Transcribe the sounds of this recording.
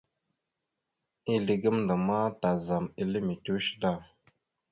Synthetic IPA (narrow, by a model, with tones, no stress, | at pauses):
i˦li˨ɡə˦mndə˨ma˦ta˨za˨mi˦li˦mi˨tu˦ʃda˦˨